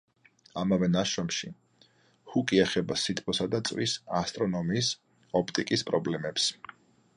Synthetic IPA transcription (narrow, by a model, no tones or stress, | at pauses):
amavɛnaʃɔmʃi | hukʼiɛχɛbasit̪ʰpʰɔsad̪at̪sʼwisast̪ʼɾɔnɔmiːs | ɔpʰt̪ʼikʼispʼɾɔblɛmɛps